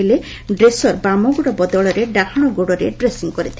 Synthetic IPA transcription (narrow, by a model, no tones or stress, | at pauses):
ile | ɖɾesɔɾbamɔɡoɽɔbɔd̪ɔɭɔɾeɖakʰɔɽ̃ɔɡoɽɔɾeɖɾesiŋkɔɾit̪ʰ